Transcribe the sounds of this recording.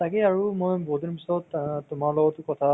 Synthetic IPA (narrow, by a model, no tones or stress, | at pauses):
takɛaɹumojbɔɦutinpisɔttʊmaɹlɔɡɔtʊkɔtʰa